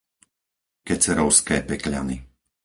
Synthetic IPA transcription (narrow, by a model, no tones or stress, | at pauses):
kɛt͡sɛɾɔʊskɛːpɛklʎa̰ni